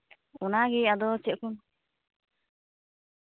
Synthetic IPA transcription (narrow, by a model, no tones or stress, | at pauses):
ɔnaɡɛad̪ɔt͡ʃɛʔkun